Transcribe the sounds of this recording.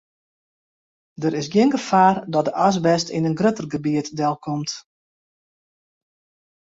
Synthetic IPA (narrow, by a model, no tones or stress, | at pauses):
dəɾɪsɡjɪənɡəfaːrdɔt̚dəʔas̬bɛstinənɡrøtərɡəbiətdɛlˠkʰɔmt